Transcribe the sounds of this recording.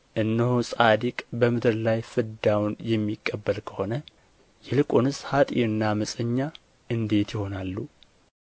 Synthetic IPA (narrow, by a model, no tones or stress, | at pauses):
ʔɨnːɨhusʼad̪ikʼbəmɨd̪ɨɾlajfɨd̪awnjɛmːikʼːəbːəlkʰə̥ho̞nə | jɛlɨkʼonɨshat̪ʼḭɨnːaməsʼəɲːa | ʔɨnd̪e̞t̪jɪho̞nalːu